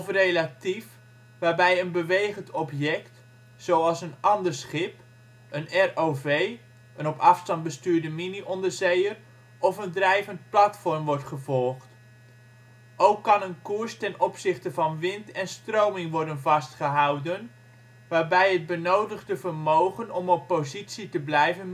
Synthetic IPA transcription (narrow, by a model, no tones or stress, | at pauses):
ɔfrelatif | ʋaːɹbɛjənbəʋejχəntɔpjɛkt | sowɑlˠsənʔɑndəɹsχɪp | ənɛrovej | ənɔpɑfstɑnd̚bəstyːɹdəminiʔɔndəɹzejər | ʔɔfəndrɛjvənt̚plɑtfɔɹmʋɔɹtχəvɔlˠχt | ʔowkːɑnənkuɹstɛnɔpsɪχtəvɑnʋɪntɛnstrowmɪŋʋɔɹdənvɑstχəɦɑwdən | ʋaːɹbɛjɦəd̚bənowdəχdəvəɹmowχənɔmɔpːozitsitəblɛjvən